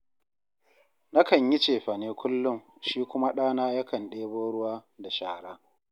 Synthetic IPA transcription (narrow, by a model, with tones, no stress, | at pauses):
na˦kɐ˨ɲjɪ˦t͡ʃeː˨ɸɐ˨neː˦kʷʊ˦lːʊ˦ŋʃiː˦kʷʊ˦ma˦ɗaː˦naː˦ja˦kɐ˨nɗeː˦boː˦ɽʊ˦waː˦da˨ʃaː˨ɽaː˦